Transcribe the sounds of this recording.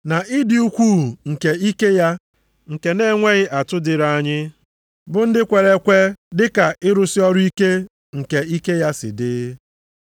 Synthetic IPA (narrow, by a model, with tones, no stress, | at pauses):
na˨ɪ˦dɪ˨u˦kʷu˦ŋ̩˨ke˨i˦ke˦ja˦ | ŋ̩˨ke˨ne˦˨ŋʷe˦ɣɪ˦ʔa˨tʊ˦dɪ˨ɾa˦˨ɲɪ˦ | bʊ˨n̩˦dɪ˦kʷe˨ɾe˦kʷe˦dɪ˦ka˨ʔɪ˦ɾʊ˦sɪ˦ɔ˦ɾʊ˦i˦ke˦ | ŋ̩˨ke˨i˦ke˦ja˦sɪ̰˨dɪ˦